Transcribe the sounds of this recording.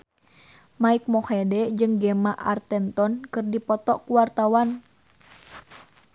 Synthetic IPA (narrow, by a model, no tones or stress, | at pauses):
maik̚mɔhɛdɛd͡ʒɨŋɡɛmaʔa̰rt̪ɛnt̪ɔnkɨrdipɔt̪ɔʔkuwart̪awan